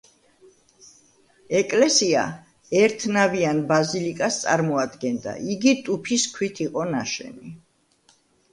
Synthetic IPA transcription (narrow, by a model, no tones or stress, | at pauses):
ɛkʼlɛsia̰ | ɛɾt̪ʰnavianbazilikʼast̪sʼa̰ɾmɔad̪ɡɛnd̪a̰ʔiɡit̪ʼupʰiskʰwit̪ʰiqʼɔnaʃɛ̰ni